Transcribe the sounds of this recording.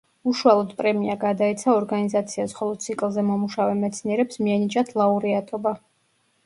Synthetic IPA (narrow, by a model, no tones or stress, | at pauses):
uʃualˠɔd̪pʼɾɛmiaɡad̪aɛt̪sʰaɔɾɡanizat̪sʰiasχɔlˠɔd̪̥̚t̪sʰikʼlˠzɛmɔmuʃavɛmɛt̪sʰniɛɾɛpsmiɛnit͡ʃʼat̪ʰlˠauɾiat̪ʼɔba